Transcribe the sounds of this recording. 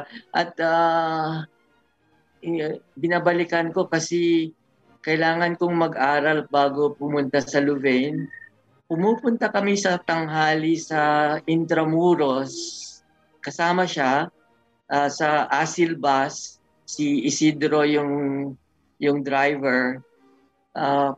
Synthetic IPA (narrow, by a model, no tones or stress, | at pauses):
ʔɐt̪̚ʔa | bɪnabɐlɪkɐnko̞kɐsɛ | kɐʔɪlaːŋɐnkʊŋmɐɡʔaːɾɐlt̪̚baːɡopʊmʊnt̪asɐlʊvɛjn | pʊmuːpʊnt̪ɐkɐmisɐt̪ɐŋɦaːlisɐʔɪnt̪ɾɐmuːɾos | kɐsaːmɐʃa | ʔaːsɐʔaːsɪlbasː | iɪsid̪ɾo̞jʊŋ | jʊŋd̪ɾajvɛɹ | ʔa